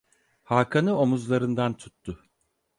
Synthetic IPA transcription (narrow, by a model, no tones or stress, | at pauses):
haːkʰanɯo̞muzlˠaɾɯnd̪ant̪ʰu̥t̪ʰːʊ